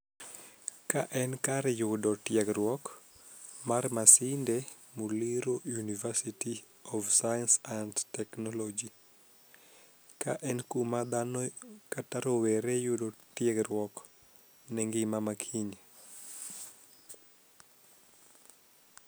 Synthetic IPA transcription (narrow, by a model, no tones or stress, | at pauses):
kaʔɛnkaɾjʊdɔtjɛɡɾwɔk | marmasinde | muliɾojunivɛsiti | ɔfsajansandtɛknɔlɔd͡ʒi | kaʔɛnkumad̪anɔkataɾoweɾejʊdɔtjɛɡrwɔk | nɛŋɡimamakʰiɲ